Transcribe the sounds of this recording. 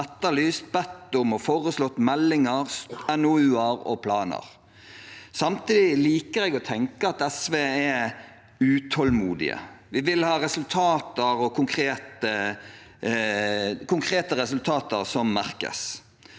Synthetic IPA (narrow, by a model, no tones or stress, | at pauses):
ɛt̪ːəlyːst̪̚bɛt̪ːʊmɔfoːʁəslɔt̪ːmɛlːɪŋəʁɛnʊʉːəɾɔ̰pʰlɑːnə̰ɾ | sɑmt̪ʰiːd̪ɪliːkəɾɛːɡɔt̪ʰɛŋkəɑt̪ɛsʋeːɛ | ʉːt̪ʰɔlmuːd̪ɪ̰ə̰ʋɪʋɪlhɑːɾɛsʉlt̪ʰɑːt̪əɾɔkʰʊŋkʰɾeːt̪ə | kʊŋkʰɾeːt̪əʁɛsʉlt̪ʰɑːt̪əʁsɔmːæɾkə̰s